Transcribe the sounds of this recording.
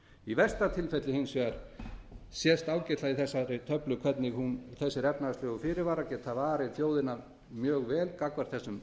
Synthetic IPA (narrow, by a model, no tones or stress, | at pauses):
ivɛst̪at̪ʰɪlfɛt̪lɪhensvɛaɾ̥ | sjɛst̪aːwcɛt̪ʰlaiθɛsːaɾt̪ʰœplʏkʰvɛt̪nɪɣhunθɛsːɪɾɛpnaast̪lʏɣʏfɪːɾɪɾvaːɾacɛt̪θaðvaːɾɪθjoːwðɪnaɾ | mjœːɣvɛːlkakvaɾ̥θɛsːʏm